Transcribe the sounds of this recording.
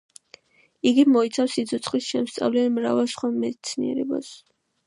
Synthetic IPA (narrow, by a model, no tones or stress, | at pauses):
iɡimɔit̪sʰafsit̪sʰɔt̪sʰχisʃɛmst̪sʼa̰vlɛmɾavɛlˠsχwamɛd̪it̪sʰniɛ̰ɾɛ̰ba̰s